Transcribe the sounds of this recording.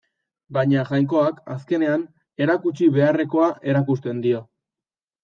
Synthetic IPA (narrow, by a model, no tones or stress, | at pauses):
baɲaʝajŋk̬o̞aka̰ske̞ne̞an | e̞ɾakut͡ʃiβe̞are̞ko̞aʔe̞ɾakust̪e̞nd̪io̞